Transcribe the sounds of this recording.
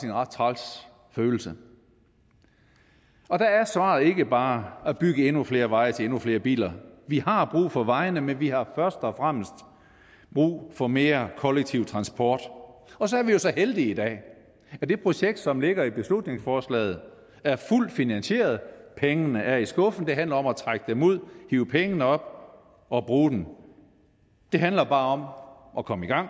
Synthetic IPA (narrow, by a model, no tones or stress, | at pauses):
enʁɑd̥̚t͡sʰʁɑls | føːl̩sə | ɒ̽d̥ææɐsʋɑ̰̈ð̩ˠe̝ɡ̥əb̥ɑ̈ːæb̥yɡ̥əe̝nufle̝ːɐʋɑ̈ɪət͡sʰe̝e̝nufle̝ːɐb̥ḭːlɐʋihɑ̈b̥ʁṵːfɒ̽ʋɑ̈ɪnəmenʋihɑ̈fɶɐsd̥ɒ̽fʁam̰sd̥ | b̥ʁṵːfɒ̽me̝ːɐkʰɒ̽leɡ̥̚t͡sʰiʊ̰t͡sʰʁɑ̈nsb̥ʰɒ̰ːd̥ɒ̽sɒ̽æɐʋijo̝sɒ̽held̥iid̥ɛ̰ː | æd̥e̝pʰʁo̝ɕeɡ̥̚d̥sɒ̽mle̝ɡ̥ɐib̥e̝slud̥ne̝ŋsfɒːslɛ̰ːð̞̩ˠ | æɐful̰d̥finænɕe̝̰ːɐð̩ˠpʰeŋənəʔæɐisɡ̥ɔ̽fn̩d̥e̝ɦænlɐɒ̽mæt͡sʰʁaɡ̥əd̥emuð̰ˠhiːʊəpʰeŋənəɒ̽b̥̚ | ɒ̽b̥ʁuːd̥en̩ | d̥e̝ɦænlɐb̥ɑ̈ːɒ̽m | ʔɒ̽kʰɒ̽məiɡ̥ɑ̈ŋ̰